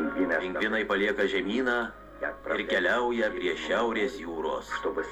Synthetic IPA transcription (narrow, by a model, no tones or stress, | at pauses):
ŋkʋʲinʲɛlʲɪŋʲɡʋʲɪnɐɪpɐlʲiɛkɐʒʲɛmʲiːnɑː | ɪɾkʲɛlʲɛʊjɛpʲɾʲiɛʃʲæʊɾʲeːsjuːɾoːsʃt̪ʊbʊs